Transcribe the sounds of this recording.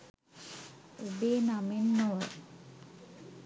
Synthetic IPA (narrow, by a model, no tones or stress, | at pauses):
ubeːnamenːoʋə